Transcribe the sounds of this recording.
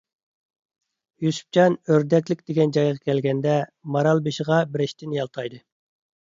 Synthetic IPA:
jysy̥p̚t͡ʃɑnøɾd̪ɛkʲlɪkʲd̪̥eɡʲɛnd͡ʒɑjʁɑkʲʰɛlɡʲɛnd̪ɛmɑɾɑlˠbeʃɪʁɑbɪɾɪʃt̪ʰɪnjɑlˠt̪ʰɑjd̪ɨ

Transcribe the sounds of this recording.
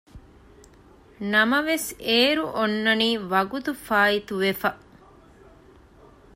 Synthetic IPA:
nɐmɐʋeseːɾuʔonːɐniːʋɐɡut̪ufaːit̪uʋefɐ

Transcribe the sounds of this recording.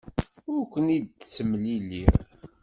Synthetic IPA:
ʊɾkʷːənid̪̚t͡sːəmːlilːiɾ

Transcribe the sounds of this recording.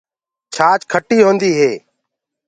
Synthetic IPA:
t͡ʃʰaːt͡ʃkʰəʈːiːɦõːnd̪iːɦeː

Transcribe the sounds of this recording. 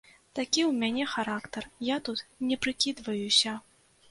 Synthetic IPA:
t̪akʲiwmʲanʲɛxaɾakt̪ɐrjat̪ut̪nʲɛpɾɨkʲid̪vɐjusʲɐ

